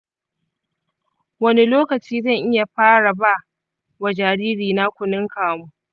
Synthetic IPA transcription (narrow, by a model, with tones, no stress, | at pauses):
wɐ˦ni˦loː˦kɐ˨t͡ʃiː˦zɐ˦˨ŋʔɪ˦ja˨ɸaː˦ɽa˨ba˦˨ | wa˨d͡ʒaː˨ɽiː˦ɾiː˨na˦kʷʊ˨nɪ˦ŋkaː˨mu˦